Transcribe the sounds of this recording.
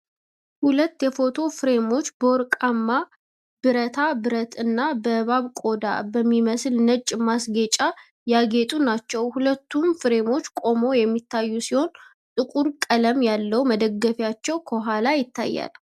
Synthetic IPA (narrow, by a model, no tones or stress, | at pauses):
hulət̪ːjɛfo̞t̪ʰo̞fɨɾe̞mo̞t͡ʃːboɾkʼamːa | b̥ɨɾət̪ʰabɨɾət̪ʰɨnːabəβaβkʼo̞d̪a̰bəmːiməslnət͡ʃʼːmasɡet͡ʃʼa | jaɡe̞t̪ʼunat͡ʃːɛwhulət̪ːumfɨɾe̞mo̞t͡ʃːkʼo̞mo̞jɛmːit̪ːajːusiho̞n | t̪ʼɨkʼuɾkʼələmjalːəwməd̪əɡːəfjat͡ʃːɛwkʰəwɔɦalajɪt̪ːa̰jːa̰l